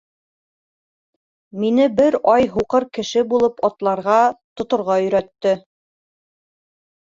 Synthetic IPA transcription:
minɘbɘɾɑjɦuqɤɾkɘ̆ʃɘbulˠɤpɑt̪lˠɑɾʁɑt̪ŏt̪ŏɾʁɑɵ̆jɾæt̪ːɘ

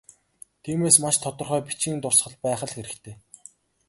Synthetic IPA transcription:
t̪ʰiːmeːsmaʃt̪ʰɔt̪ɞ̆rχœːpit͡ɕĭːnt̪ʊrsχə̆ɮpæːχə̆ɮxeɾɘ̆kt̪ʰeː

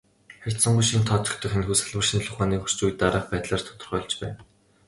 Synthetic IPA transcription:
χær̥ʲt̪sə̆ɴɢujʃint̪ʰɔːt͡ɕ̪ɞ̆kt̪ʰə̆xĕnxuːsaɮwə̆rʃĭnɮʊχaːniːkxur̥t͡ɕuj̆t̪ːaɾaːχpæːt̪ɮaːr̥t̪ʰʊ̥t̪ə̆rχœːɮt͡ɕpæ̰ːn

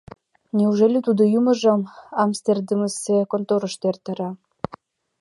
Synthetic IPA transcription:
nʲiuʒelʲet̪ud̪ojumə̆ʒɤ̆mɑmst̪erd̪əməsekont̪oɾəʃt̪ert̪ə̆ɾɑ

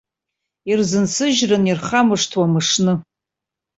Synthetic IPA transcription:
irzɨnsʰɨʒrɨnirχamɨʂtʰwamɨʂnɨ

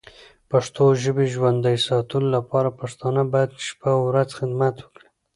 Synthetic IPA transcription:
paʂt̪oʒəbeʒwand̪ajsɑt̪əlolapɑɾapaʂt̪ɑnabɑjad̪ʃpawɾazxɪd̪mat̪wəkɽi̥

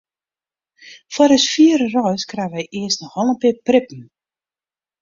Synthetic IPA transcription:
fwɔɾəsfiəɾərɔjskraʋɛjʔɪəstnɔxɔlˠənpɪːprɪpn̩

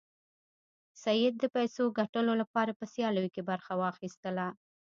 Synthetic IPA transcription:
sajɪd̪̚ːəpajsoɡaʈəlolapɑɾapəsjɑləjkebaɾxawɑxist̪əla

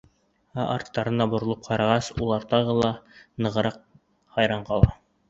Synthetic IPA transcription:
æʔɑɾt̪ːɑɾɤnɑbŏɾŏlˠɤp̚qʰɑɾɑʁɑsulˠɑɾt̪ɑʁɤlˠɑnɤ̆ʁɤ̆ɾɑq̚ | hɑjɾɑɴqɑlˠɑ

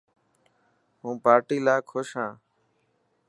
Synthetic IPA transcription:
ɦũːpaːɾʈiːlaːkʰoʃɦãː

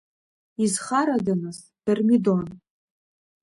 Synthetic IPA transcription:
izχaɾadanɨz | d̥armidon

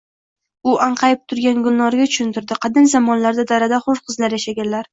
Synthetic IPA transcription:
ʊʔaɴqʰɑjɪp̚t̪ʰʊɾɡʲanɡʊlnɒɾɡʲat͡ʃ̪ʰʊ̥ʃɪnt̪ɪɾd̪ɪqʰɑd̪ɪnzamɒnlaɾd̪ad̪aɾad̪aχoʃqʰɨzlaɾjaʃaɡʲanlaɾ

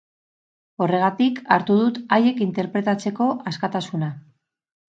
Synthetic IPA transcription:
o̞re̞ɣ̞at̪ikaɾt̪uðut̪aje̞kint̪e̞ɾpɾe̞t̪at͡se̞ko̞ʔaskat̪asuna

